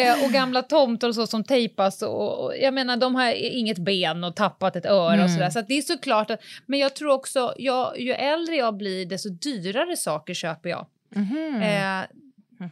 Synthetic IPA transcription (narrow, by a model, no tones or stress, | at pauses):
ɔɡamlat̪ʰɔmt̪ɔɾɔs̬ɔsɔmt̪ʰɛjpasɔ̰ɔ̰jaɡmeːnaɖɔmɦaɾɪŋːət̪beːnɔt̪ʰapːat̪ɛt̪œːɾaɔsɔd̪æːʂ̬at̪̚d̪ɛæʂɔkʰlɑːʈat̪mɛnjɑːɡ̚t̪ʰɾuːɾɔksɔjɑːjɵʔɛld̪ɾəjɑːɡblɪɖɛst̪ɔd̪yːɾaɾəsɑːkəʂøːpəjɑ̰ːɡ